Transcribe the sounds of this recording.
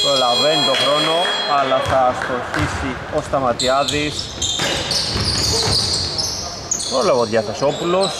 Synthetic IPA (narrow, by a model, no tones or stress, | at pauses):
pɾolɐvenit̪o̞xɾo̞no̞ɐlɐθɐst̪oçisi | o̞st̪ɐmɐt̪iɐðis | polɐvoðʝɐθeso̞pulo̞s